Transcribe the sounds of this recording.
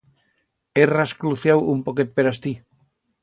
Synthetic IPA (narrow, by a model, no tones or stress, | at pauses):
eraskluθjawumpoket̪̚peɾast̪i